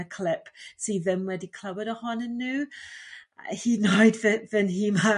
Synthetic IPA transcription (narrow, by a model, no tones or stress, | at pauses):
əkʰl̥ɪpsiːðəmwɛdikʰl̥əwəɾəhɔnənːʉː | hinɔɪdðəðənɦima